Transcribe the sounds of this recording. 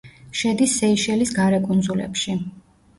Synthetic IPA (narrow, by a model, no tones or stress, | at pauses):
ʃɛd̪isːɛiʃɛlisɡaɾɛkʼund̪zulɛ̰pʃi